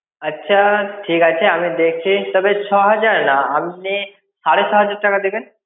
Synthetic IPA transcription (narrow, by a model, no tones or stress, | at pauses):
ətːʃʰaʈʰiːkat͡ʃʰeamid̪ekʰit̪ɔbet͡ʃʰɔɦəd͡ʒaɾnaamni | saɾet͡ʃʰɔɦəd͡ʒaɾʈɐkad̪eken